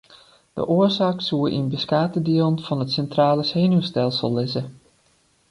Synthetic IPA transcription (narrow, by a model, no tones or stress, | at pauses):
d̥ə̰ʔoəɹzaːksuəʔḭnbəskaːtədiəlˠnfɑnətsɛntraːləshejnystɛlˠsəlˠːɪzə